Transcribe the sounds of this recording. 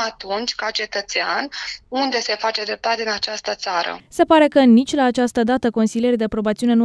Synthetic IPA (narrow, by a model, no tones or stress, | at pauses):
at̪unt͡ʃʲkat͡ʃe̞t̪ət̪sea̰nund̪e̞se̞fat͡ʃed̪ɾe̞p̚t̪at̪ʲɨnat͡ʃast̪ət̪saɾə̰se̞paɾe̞kənit͡ʃʲlaːt͡ʃast̪əd̪at̪əko̞nsilijerʲd̪epɾo̞bat̪siune̞nu